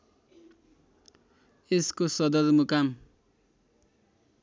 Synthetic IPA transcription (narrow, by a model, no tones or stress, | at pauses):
eskosʌd̪ʌɾmukam